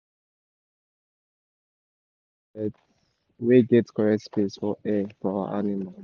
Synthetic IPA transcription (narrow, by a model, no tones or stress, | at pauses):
weɡɛtkʰɔɹɛkspesfɔɛfɔawa̰ʔanimal